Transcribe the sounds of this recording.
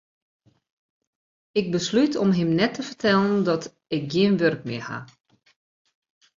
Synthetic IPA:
ɪɡ̚bəslytʰɔmɦɪmnɛtʰːəfərtʰɛlˠəndɔt | ɪk̚ɡjɪənʋørkmɪ̰ha̰

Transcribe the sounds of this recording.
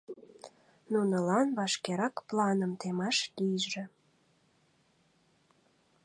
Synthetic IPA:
nunəlɑnβɑʃkeɾɑkplɑnəmt̪emɑʃliʒĕ

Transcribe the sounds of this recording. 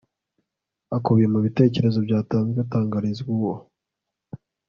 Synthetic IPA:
akuβije̞muβite̞ːce̞ɾe̞zo̞bɟaːtaːnzɡetaːŋɡaɾizɡuwo

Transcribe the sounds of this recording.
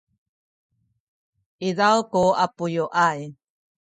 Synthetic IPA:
ʔiðawkuapujuʔaj

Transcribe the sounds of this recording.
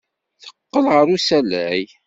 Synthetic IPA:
θə̥qːəlʁəɾusælæ̰ʕ

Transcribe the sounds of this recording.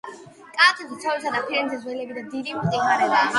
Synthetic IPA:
kʼat̪ʰɛzɛt͡ʃʰavisad̪apʰɛɾɛnzɛzwɛlɛbid̪ad̪id̪imʼinaɾɛvaː

